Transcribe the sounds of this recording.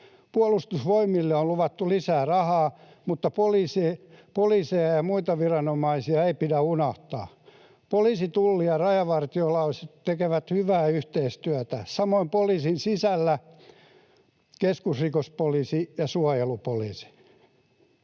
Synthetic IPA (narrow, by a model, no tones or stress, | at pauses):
puɑlust̪usʋoimilːeoluʋɑt̪ːulisæːrɑhɑː | mut̪ːɑpoliːsepoliːsejɑjɑmuit̪ɑʋirɑnomɑisiɑeipidæunɑht̪ɑ̰ː | poliːsit̪ulːiɑrɑjɑʋɑrt̪iolɑuset̪tekeʋæt̪hyʋæːyht̪eist̪yæt̪æsɑmoimpoliːsinsisælːæ | keskusrikospoliːsijɑsuɑjelupoliːsi̥